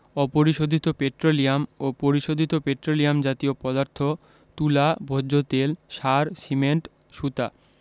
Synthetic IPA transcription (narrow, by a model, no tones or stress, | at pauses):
ɔpoɾiʃod̪ʱit̪opeʈɾolijamopoɾiʃod̪ʱit̪opeʈɾolijamd͡ʑat̪iopɔd̪aɾt̪ʰo | t̪ulabʱoot̪elʃaɾsimeɳʈ | ʃut̪a̰